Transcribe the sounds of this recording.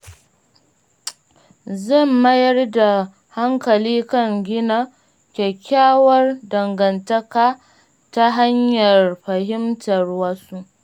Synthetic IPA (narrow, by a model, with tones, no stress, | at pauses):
zɐ˦˨mːɐ˦jɐ˦rda˨ | ha˦ŋkɐ˨liː˦kɐ˦˨ŋɡʲɪ˦na˦ | kʲɛ˨kʲːaː˦wɐ˦rdɐ˨ŋɡɐ˨ntɐ˦kaː˦ | ta˦ɦa˦ɲjɐ˨rɸɐ˨ɦɪ˦mtɐ˨rwɐ˦su˦ʔ